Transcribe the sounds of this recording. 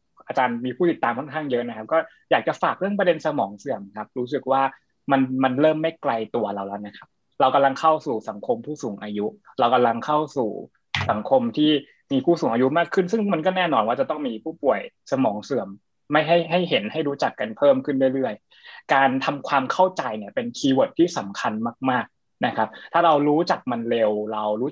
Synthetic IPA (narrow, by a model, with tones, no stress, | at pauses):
ʔaː˧t͡ɕaː˧nmiː˧pʰuː˥˩t̪i˨˩t̪ːaː˧mkʰɔ˥˩nkʰaː˥˩ŋjɤ˦˥ʔna˦˥kʰa˦˥p̚kɔː˥˩ | jaː˨˩k̚t͡ɕa˨˩faː˨˩k̚ɾɯ˥˩əŋp̬ɾa˧de˧nsa˧mɔː˩˦ŋsɯ˨˩əmkʰa˦˥p̚ɾuː˦˥s̬ɯ˨˩k̚waː˥˩ | ma˧nma˧nɾɤː˥˩mːa˥˩jkla˧jt̪u˧ɐɾa˧wlɛ˦˥na˦˥kʰa˦˥p̚ | ɾa˧wka˧mla˧ŋkʰa˥˩wsuː˨˩sa˩˦ŋkʰo˧mpʰuː˥˩suː˩˦ŋʔaː˧ju˦˥ɾa˧wka˧mla˧ŋkʰa˥˩wsṵː˨˩ | sa˩˦ŋkʰo˧mt̪ʰiː˥˩ | miː˧pʰuː˥˩suː˩˦ŋʔaː˧ju˦˥maː˥˩kʰːɯ˥˩nsɯ˥˩ŋma˧nkɔː˥˩nɛː˥˩nɔː˧nwaː˥˩t͡ɕa˨˩t̪ɔ˥˩ŋmiː˧pʰuː˥˩pu˨˩əjsa˧mɔː˩˦ŋsɯ˨˩˦əmː | a˥˩jɦa˥˩jɦa˥˩jɦe˩˦nha˥˩jɾuː˦˥t͡ɕa˨˩kːa˧npʰɤː˥˩mkʰɯ˥˩nɾɯ˥˩əjɾɯ˥˩əj | kaː˧nt̪ʰa˧mkʰwaː˧mkʰa˥˩wt͡ɕa˧jni˥˩ɐpe˧nkʰiː˧wo˨˩t̪ʰːiː˥˩sa˨˩˦mkʰa˧nmaː˥˩k̚maː˥˩k̚ | na˦˥kʰa˦˥p̚t̪ʰaː˥˩ɾa˧wɾuː˦˥t͡ɕa˨˩k̚ma˧nɾe˧wɾa˧wɾuː˦˥